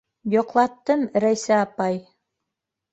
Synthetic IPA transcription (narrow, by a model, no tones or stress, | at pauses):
jŏqlˠɑt̪ːɤmɾæjsæːpɑj